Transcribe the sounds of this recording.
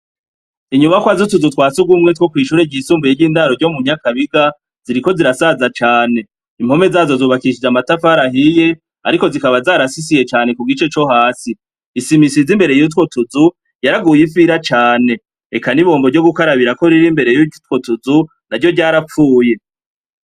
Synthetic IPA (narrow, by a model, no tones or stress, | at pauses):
iɲuβakwazutuzutwaːt͡suɡwumŋetwokwiːʃuɾeɟisuːmbujeɾɟiːndaɾoɾɟo̞muɲ̥akaβiɡa | z̥iɾiko̞ziɾasazat͡ʃaːne̞ | im̥ho̞me̞zaːzo̞zuːβakiʃid͡ʒamatafaɾaɦije̞ | a̰ɾiko̞zikaβazaːɾasis̬ije̞t͡ʃaːne̞kuɡit͡ʃe̞t͡ʃo̞ɦaːsi | isimisizimbe̞ɾe̞jut̬wo̞tuzu | jaɾaɡuːjifiɾat͡ʃaːne̞ | ekaniβo̞ːmboɾɟo̞ɡukaɾaβiɾako̞ɾiɾimbe̞ɾe̞jutwotuzu | naɾɟo̞ɟaːɾap͡fuːje̞